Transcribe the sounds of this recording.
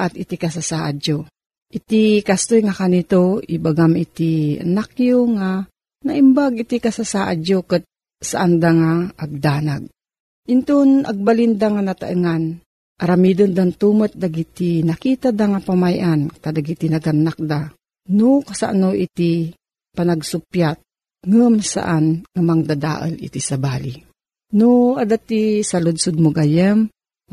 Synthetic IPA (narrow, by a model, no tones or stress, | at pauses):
ʔat̪it̪ikas̬asaʔad͡ʒo | ʔit̪ikast̪ojŋakanit̪oibaɡamit̪ia̰nakjoŋa | naimbaɡit̪ikasasaʔad͡ʒokət̪̚ | saʔand̪aŋaʔːɡ̚d̪aːnaɡ̚ | ʔint̪una̰ɡ̚balind̪aŋanat̪a̰ʔɨŋan | ʔaɾamid̪ond̪ant̪umət̪̚d̪aɡit̪inakiːt̪ad̪aŋapamajʔankad̪aɡit̪inaɡanːak̚d̪a | nukasa̰ʔanoʔit̪i | panaɡsʊpjat̪̚ | ŋəmsa̰ʔanŋamaŋd̪ad̪a̰ʔə̰lḭt̪isabaːli | nuad̪at̪isalud̪sud̪̚muɡajəm